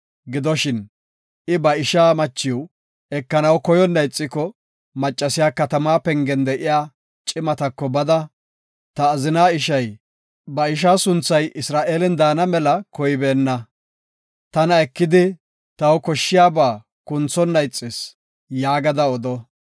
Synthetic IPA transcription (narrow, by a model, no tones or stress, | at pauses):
ɡɪd̪ɔʃɪn | ʔɪbɐɪʃaːmɐt͡ʃːɪw | ɛkːɐnɐwkɔjɔnːɐjt͡sʼːɪkɔ | mɐt͡ʃʼːɐsɪjaːkɐt̪ɐmaːpɛŋɡɛnd̪ɛʔɪjaː | t͡ʃʼɪmɐt̪ɐkːɔbɐd̪ɐ | t̪ɐːzɪnaːɪʃɐj | bɐɪʃ̬aːsʊnt͡sːɐjʔɪsɾaːʔe̞ːlɛnd̪aːnɐmɛlɐkɔjbeːnːɐ | t̪ɐnɐɛkːɪd̪ɪ | t̪ɐwkɔʃːɪjaːbaː | kʊnt͡sːɔnːɐjt͡sʼːɪs | jaːɡɐd̪ɐɔd̪ɔ